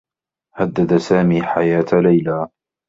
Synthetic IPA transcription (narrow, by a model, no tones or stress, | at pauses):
had̪ːad̪asaːmiːħajaːt̪lajlaː